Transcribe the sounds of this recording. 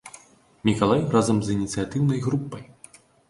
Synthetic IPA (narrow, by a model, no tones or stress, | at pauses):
mʲikalˠajrazɐmzinʲit̪sɨjat̪ɨwnɐjɣɾupːɐj